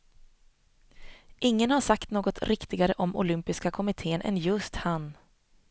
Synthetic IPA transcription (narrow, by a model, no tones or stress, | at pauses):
ʔɪŋːənhaʂakt̪noːɡɔt̪ʰɾɪkt̪ɪɡaɾəʔɔmʊ̰lʏmpɪskakʰɔmɪt̪ʰeːnʔɛ̰njɵst̪han